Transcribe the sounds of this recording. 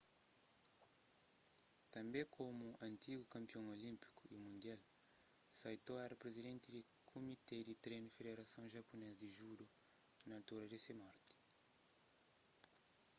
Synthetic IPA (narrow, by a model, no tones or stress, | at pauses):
t̪ãmbẽkʰomuɐ̃nt̪iɡukãmpiõŋolĩmpi̥ku̥imũnd̪jal | sajt̪oaɾapɾezidẽnt̪idikʰomit̪ed̪it̪ɾenfed̪eɾasɐ̃w̃ʒaponɛzd̪iʒuɾonat̪oɾɐdesemaɾt̪i̥